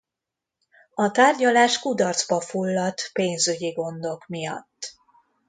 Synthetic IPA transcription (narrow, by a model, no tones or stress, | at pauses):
ɒt̪aːrɟɒlaːʃkud̪ɒrd̪zbɒfulːɒt̪peːnzyɟiɡo̞nd̪o̞kmijɒ̰t̪ː